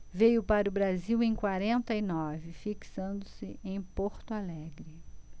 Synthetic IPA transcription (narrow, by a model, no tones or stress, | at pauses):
vejʊpaɾʊbɾaziwẽj̃kwaɾẽnt̪ɐinɔvɪfiksɐ̃nd̪ʊsɪʔẽj̃poɾt̪ʊalɛɡɾɪ